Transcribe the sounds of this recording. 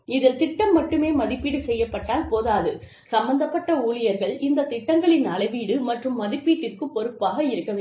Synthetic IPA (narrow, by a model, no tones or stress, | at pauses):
ɪðɪlt̪ɪʈːɐmːɐʈːɯmeːmɐðɪpːiːɽɯsɛjːɐpːɐʈːaːlpoːðaːðɯ | sɐmbɐnd̪ɐpːɐʈːɐuːlɪjɐɾɣɐɭɪnd̪ɐt̪ɪʈːɐŋɡɐɭɪnɐlɐɪʋiːɽɯmɐʈrɯmːɐðɪpːiːʈːɪrkɯpːɔɾɯpːaːɣɐɪɾɯkːɐʋ